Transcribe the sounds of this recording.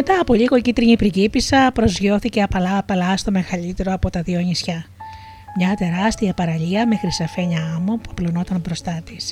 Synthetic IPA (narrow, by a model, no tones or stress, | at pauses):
met̪ɐːpo̞ʎiɣo̞cit̪ɾiɲipɾicipisɐpɾo̞zʝoθiceɐpɐlɐpɐlɐst̪o̞me̞xɐʎit̪e̞ɾo̞ɐpo̞t̪ɐðioɲisçɐ | mɲɐt̪e̞ɾɐst̪iɐpɐɾɐʎiɐme̞xɾisɐfe̞ɲɐɐmopuɐplono̞t̪ɐnbɾo̞st̪ɐt̪is